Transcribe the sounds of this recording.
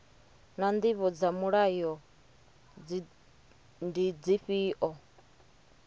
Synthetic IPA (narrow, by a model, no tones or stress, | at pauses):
nand̪iβɔd͡zamuɺajɔ | ndid͡ziɸiːʔɔ